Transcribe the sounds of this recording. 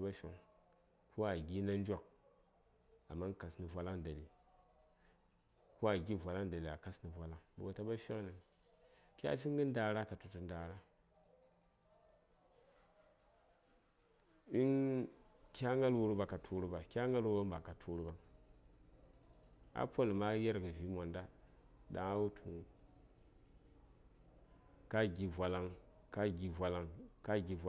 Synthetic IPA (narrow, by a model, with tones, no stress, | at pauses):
ba˦ʃʲo̰˨ŋ | ku˦a˨ɡʲi˦na˦n˦d͡ʒʷa˦k̚ | a̰˨mːa˦ŋ˦ka˨sni˨vʷa˦la˦ŋ˨da˨li˨ | ku˦a˨ɡʲi˦˨vʷa˨la˦ŋ˨da˨li˨a˨ka˦sni˨vʷa˦la˦ŋbṵ˨wa˨ta˦ba˦ʃʲa˦ŋ˦ni˨ŋ | kʲa̰˦fʲi˦ŋɡɨ˦n˦da˨ɾa˦ka˨tu˨tu˨n˦da˨ɾa˦ | i˦ŋ | kʲa˦ŋa˦lwu˨ɾba˨ka˨tʰu˦ɾu˦ba˨kʲa˦ŋa˦lwu˦ba˦mba˨ka˨tʰu˦ɾu˦ba˦ŋ | a̰˦po˦lma˦je˦ɾɡɨ˨vi˨˦ma˨nda˦ | da̰˨ŋa˦wu˦tʰu˨ŋu˦ | ka˦ɡʲi˨vʷa˨la˦ŋ | ka˦ɡʲi˨vʷa˨la˦ŋka˦ɡʲi˨va˨